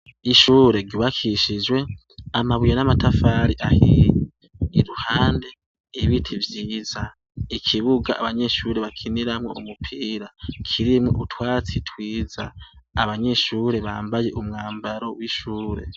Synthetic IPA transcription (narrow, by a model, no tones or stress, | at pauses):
iʃuːɾe̞ɟuβakʰiʃid͡ʒwe̞ | amaβujnamatafaːɾiʔahiɾiː | ɾuhaːnde | iβitʰivjiːza | ikʰiβuɡaaβaɲe̞ʃuɾe̞βakʰiniɾamŋo̞̰ʔumupʰiːɾakʰiɾimŋoʔutʰwaːt͡sitʰwiːza̰ː | βaɲe̞ʃuːɾe̞βa̰ːmbaje̞ʔumŋaːmbaɾo̞wiʃuːɾe̞̰